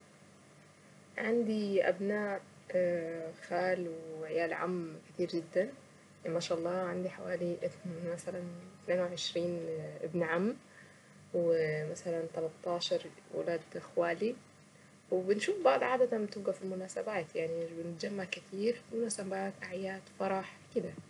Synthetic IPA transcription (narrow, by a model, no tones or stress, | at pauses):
ʕand̪iʔa̰bnaːʔ | xaːlwɪʕɪjaːlʕa̰mːkɪt̪iːɾd͡ʒɪd̪ːan | maʃaʔɑlˤːɑːʕand̪iħawaːliʔmasalant̪neːnwʕɪʃɾiːnʔɪ̰bnʕamː | wɪmasalant̪ɑlɑt̪ˤːɑːʃɑɾˤwɪ̰laːd̪ʔɪxwaːli | wɪbɪnʃuːfbɑʕd̪ˤʕaːd̪at̪anbt̪ɪb̚ɡafilmʊnaːsabaːt̪jaʕnibɪnɪt̪̚d͡ʒamːaʕkɪt̪ʰiːɾmʊnaːsabaːt̪ʔaʕjaːt̪fɑɾˤɑħwkɪd̪a